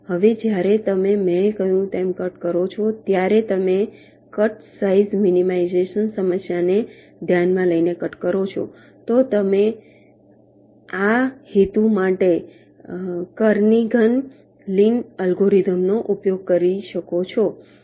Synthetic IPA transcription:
həʋed͡ʒjaɾet̪əmemɛ̃kəjũt̪emkəʈkəɾot͡ʃʰot̪jaɾet̪əme | kəʈsaizminimaizeʃənsəməsjane | d̪ʱjanmãləinekəʈkəɾot͡ʃʰɔ̰ | t̪ot̪əme | ahit̪ũmaʈe | kəɾniɡən | linəlɡoɾit̪əmnoʔupjoɡ̚kəɾiʃəkot͡ʃʰo

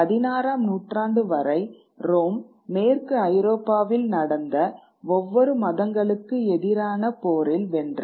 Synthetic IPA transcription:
ɐðɪnaːɾaːmnuːʈraːɳɖɯʋɐɾɐɪ | ɾoːmː | eːrkɯɐɪɾoːpːaːʋɪlnɐɽɐnd̪ɐ | ɔʋːɔɾɯmɐðɐŋɡɐɭɯkːɯɛðɪɾaːnɐpoːɾɪlʋɛndr

